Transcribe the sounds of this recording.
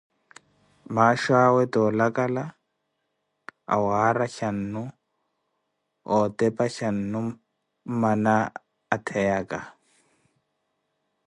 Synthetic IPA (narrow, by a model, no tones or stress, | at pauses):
maːʃaːwɛd̪ɔːlakʼala | a̰waːɾaʃɐnːʊ | ɔːt̪ɛpaʃanːʊ | manaː | t̪ʰɛjakʼa